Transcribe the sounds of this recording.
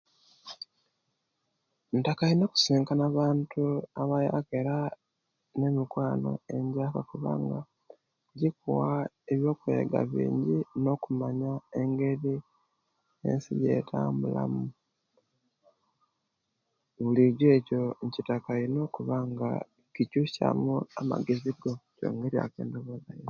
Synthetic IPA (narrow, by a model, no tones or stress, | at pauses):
ntakaino̞ːku̥siːŋkanaβaːntʰuaβaja̰keɾa | ne̞mikwaːno̞̰e̞ɲɟaːkakuβa̰ŋɡa | ɟikuwa | eβjo̞ːkuḛɡa̰βḭːɲɟino̞kumaɲae̞ŋɡe̞ɾi | e̞̰nsḭje̞̰tʰaːmbula̰mu | βuliɟweːco̞ɲcitakaino̞kuβaŋɡa̰ | cicuʃa̰muamaɡeziɡo̞co̰ːŋɡeɾja̰ke̞̰ːndoβozajo